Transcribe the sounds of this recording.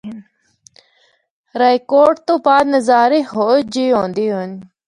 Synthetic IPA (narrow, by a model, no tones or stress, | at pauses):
ɾajkoːʈ̚t̪opaːd̪nɐzaːɾihod͡ʑiõːnd̪ion